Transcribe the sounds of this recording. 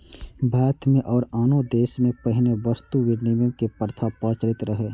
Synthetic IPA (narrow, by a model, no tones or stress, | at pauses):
bʱaːɾət̪ʰmẽʔɔːɾaːnod̪eːʃmẽpəɦɪneʋəst̪uʋɪɾniməkepəɾt̪ʰapəɾt͡ʃɾɪt̪ɾəɦeː